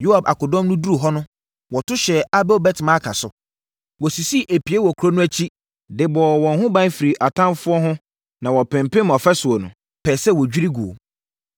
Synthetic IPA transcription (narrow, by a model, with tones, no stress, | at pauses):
jo˦a˨ba̰˨kʊ˨dɔ̃˦mnʊ̃˦du˦ɾu˨ɦɔ˦nʊ̃˦ | wɔ˨tʊ˦ɕɛ˨a˦bɛ˦ɔ˨bɛ˦tʰɪ˨mã˦a˦kʰa̰˨sʊ˨ | wɔ˨si˨si˦˨ʔe˨pi˨e˦wɔ˨kʰɾo˦nʊ̃˦æ˦t͡ɕʰi˦ | dɪ˨bɔɔ˨wɔ̃˨n˦ɦʊ̃˦bã˦n˦fi˨ɾi˨ʔa˨tʰã˦mfʊ˦ɔ˦ɦʊ̃˦ | nã˨wɔ˨pɪ̃˨mpɪ̃˦mɔ˨fɛ˦sʊ˨ɔ˨nʊ̃˨ | pʰɛː˨sɛ˦wɔ˨d͡ʑᶣi˦ɾi˦ɡu˨o̰˨